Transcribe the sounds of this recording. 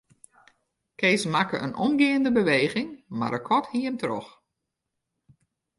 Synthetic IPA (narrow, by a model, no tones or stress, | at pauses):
kʰeːsmakəʔənʔɔmɡɪːəndəbəʋeːɣɪŋma̰dəkʰɔthiəmtrɔ̰x